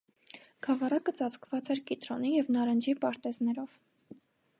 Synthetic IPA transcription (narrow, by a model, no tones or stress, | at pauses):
ɡ̥ʰɑvɑrɑkət͡sɑt͡skvɑt͡sɛɾkit̪ɾɔnijɛvnɑɾənd͡ʒipɑɾt̪ɛznɛɾɔv̥